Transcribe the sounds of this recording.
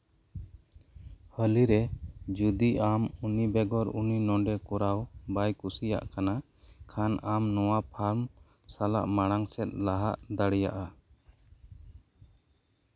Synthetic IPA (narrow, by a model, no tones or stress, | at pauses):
həliɾɛd͡ʒud̪iʔamunibɛɡɔɾuninɔ̃ɳɖɛkɔɾawbajkusija̰ʔkana | kʰanamnɔwapʰaɾm | sala̰ʔmaɽ̃aŋsɛt̪̚ˀlaɦaʔd̪aɽɛja̰ʔa